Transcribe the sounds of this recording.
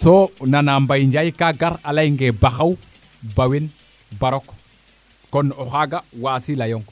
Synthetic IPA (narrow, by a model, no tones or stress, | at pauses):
sonanambajiɲd͡ʒajkaɡaɾalajŋɡebaxaw | bawin | baɾok | konoxaɡawasilajoŋ